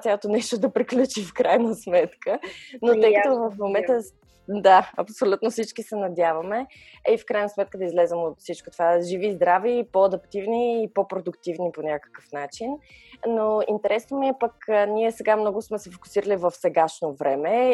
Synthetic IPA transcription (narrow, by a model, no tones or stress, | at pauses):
jalˠot̪onɛʃt̪od̪ɐpɾiklʲut͡ʃifkɾajnəsmɛt̪kʰənot̪əjkət̪ovəfmomɛnt̪ə | d̪aɐ̰psolʲut̪nofsit͡ʃkisɛnɐd̪ʲjavɐmɛ | ifkɾajnəsmɛt̪̚kəd̪ɐizlɛzɛmot̪fsit͡ʃkot̪ovaʒivizd̪ɾavipoɐd̪ɐpt̪ivniːpopɾod̪ʊkt̪ivniponʲakə̥kəfnat͡ʃinːoint̪ɛɾɛsnomiɛpəknʲiɛsɛɡamnɔɡʊsmɛsɛfo̥kʊ̥siɾəlivəfsɛɡaʃnovɾɛmɛ